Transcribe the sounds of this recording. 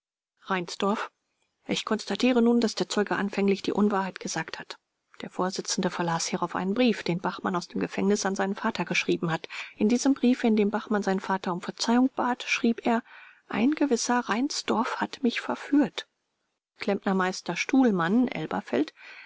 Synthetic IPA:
ʁaɪnsd̥ɔɐf | ʔɪçkʰɔnstatʰiːʁənuːndasd̥eːɐt͡sɔʏɡəʔa̰nfɛŋlɪçd̥iːʔʊnvaːɐɦaɪtɡ̥əzaːkthat | d̥eːɐfoːɐzɪt͡sn̩dəfɛɐlaːshiːʁaʊfʔa̰ɪnənbʁiːfd̥eːnbaχmanaʊsd̥eːmɡəfɛŋnɪsanzaɪnənfaːtʰɐɡəʃʁ̥iːbm̩hatʔɪndiːzəmbʁiːfɪndeːmbaχmanzaɪnnfaːtɐʊmfɛɐt͡saɪʊŋb̥aːtʃʁ̥iːpʔeːɐ | ʔa̰ɪnɡəvɪsɐʁaɪnsd̥ɔɐfhatmɪçfɛɐfyːɐt | kʰl̥ɛmpnɐmaɪstɐʃtuːlmanʔɛ̰lbɐ̰fɛ̰lt

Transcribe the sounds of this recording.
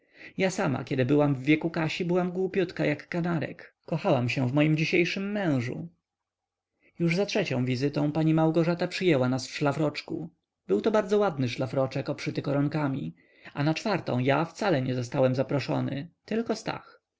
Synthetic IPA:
jasama̰kʲɛd̪ɘbɘwamvːʲjɛkukaɕibɘwamɡwupʲjut̪kajakːanaɾɛ̰kːɔxawamɕɛ̃vmɔjimd͡ʑiɕejʂɘmːɛ̃w̃ʐṵ | juʐzatʂɛt͡ɕɔ̃w̃vʲizɘt̪ɔ̃w̃paɲimawɡɔʐat̪apʂɘjɛwanasfʂlafɾɔt͡ʂkṵ | bɘwt̪ɔbaɾd̪zɔwad̪nɘʂlafɾɔt͡ʂɛkɔpʂɘt̪ɘkɔɾɔŋkamʲi | anat͡ʂfaɾt̪ɔ̰̃w̃jaft̪salɛɲɛzɔst̪awɛmzapɾɔʂɔ̰nɘ̰t̪ɘlkɔst̪a̰x

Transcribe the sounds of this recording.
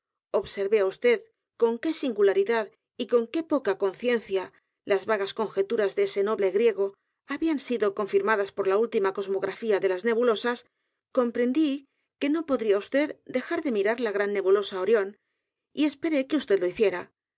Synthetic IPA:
o̞βse̞ɾβeaust̪e̞ð | ko̞ŋke̞siŋɡulaɾiðað | iko̞ŋke̞po̞kako̞nθje̞nθja | lazβaɣasko̞ŋxe̞t̪uɾazðese̞no̞βle̞ɣɾje̞ɣ̞o̞ | aβiansiðo̞ko̞ɱfiɾmaðaspo̞ɾlault̪imako̞zmo̞ɣɾafiaðe̞lazne̞βulo̞sas | ko̞mpɾe̞nd̪i | ke̞no̞po̞ðɾiaust̪e̞ðd̪e̞xaɾðe̞miɾaɾlaɣ̞ɾanːe̞βulo̞sao̞ɾjo̞n | ie̞spe̞ɾe̞keust̪e̞ðlo̞iθje̞ɾa

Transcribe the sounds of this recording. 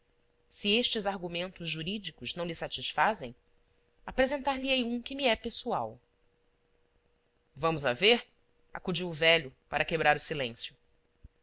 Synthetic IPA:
sieʃt͡ʃɪzaɾɡumẽnt̪ʊzʒuɾid͡ʒikʊznɐ̃w̃lɪsat͡ʃisfazḛ̃j̃ | apɾezẽnt̪aɾliejũkɪmiɛpesua̰w | vɐ̃mʊzaveɾ | a̰kud͡ʒiwʊvɛʎʊpaɾɐkebɾaɾʊsilẽsjʊ

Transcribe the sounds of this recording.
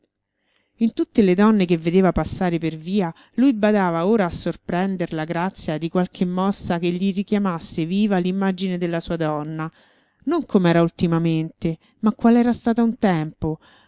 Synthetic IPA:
int̪ut̪ːeled̪ɔnːekevːed̪eːvapasːaːɾeperviːa | lujbad̪aːvaoːɾaːsːorpɾɛnd̪eɾlaɡɾat̪sːjad̪ikwalkʰemːɔsːakeʎːirikjamasːeviːvalimːad͡ʒined̪elːasuːad̪ɔnːa | noŋkʰomɛːɾault̪imament̪e | makːwalɛːɾast̪aːt̪aunt̪ɛmpo

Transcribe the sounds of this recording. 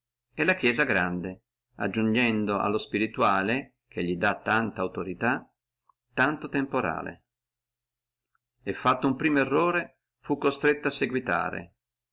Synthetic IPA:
ɛlak̟jɛːzaɡɾand̪e | a̰d͡ʒːund͡ʒɛnd̪oʔa̰lːospiɾit̪uaːle | k̟eʎːid̪at̪ːant̪aːwt̪oɾit̪a | t̪ant̪ot̪empoɾa̰ːlḛ | efːat̪ːoumpɾiːmoerːoːɾe | fukːost̪ɾet̪ːoasːeɡwit̪a̰ːɾḛ

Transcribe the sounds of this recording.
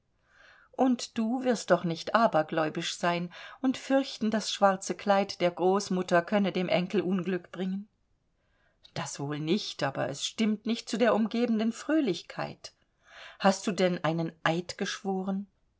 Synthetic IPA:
ʔʊntd̥uːvɪɐst̚d̥ɔχnɪçtʔaːbɐɡlɔʏbɪʃz̥aɪnʔʊntfʏɐçtn̩dasʃv̥aɐt͡səkʰl̥aɪtd̥eːɐɡʁoːsmʊtɐkʰœnədeːmʔɛŋkl̩ʔʊnɡlʏkb̥ʁɪŋən | d̥asv̥oːlnɪçtʔaːbɐ̰ʔɛ̰sʃtɪmtnɪçt̚t͡sudeːɐʔʊmɡeːbn̩dənfʁ̥øːlɪçkʰa̰ɪt | hast̚d̥uːdɛnʔaɪnənʔaɪtɡ̥əʃv̥oːʁən

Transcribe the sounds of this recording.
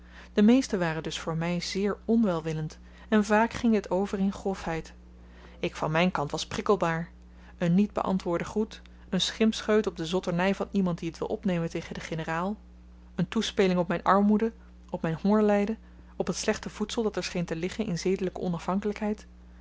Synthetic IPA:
d̥əmejstəʋaːrəndɵsfʊːɹmɛjz̥ɪːɹɔnʋɛlˠʋɪlənt | ɛnvaːkχɪŋɦətʰowvərɪnχrɔfɦɛjt | ɪkfɑnmɛjnkɑntʋɑsprɪkəlˠbaːɹ | ənːid̚bə̰ʔɑ̰ntʋʊːɹdəχut | ənsχɪmpsχøɥtɔb̚dəzɔtəɹnɛjvɑnimɑnt̚diətʋɪ̰lˠʔɔpnejməntejχəndəχenəraːlˠ | əntuspejlɪŋɔp̚mɛjnʔɑɹmudə | ɔpmɛjnhʊɹlɛjdə | ɔpɦətslɛχtəv̥utsəlˠdɑtɛɹsχejntəlɪχənɪnzejdələkəɔnɑfɦɑŋkələkɦɛjt

